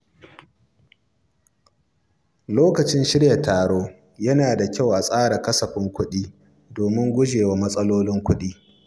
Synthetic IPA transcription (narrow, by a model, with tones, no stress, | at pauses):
loː˦kɐ˨t͡ʃɪ˦nʃɪ˦ɽjɐ˨tːaː˨ɽoː˦ | jɐ˦naː˨da˨kʲa˦˨wʔa˨sʼaː˦ɽa˨kɐ˦sɐ˨ɸɪ˦ŋkʷʊ˦ɗiː˦ | doː˨mɪ˦ŋɡʷʊ˦d͡ʒeː˨wa˨mɐ˦sʼɐ˦loː˦lɪ˦ŋkʷʊ˦ɗiː˦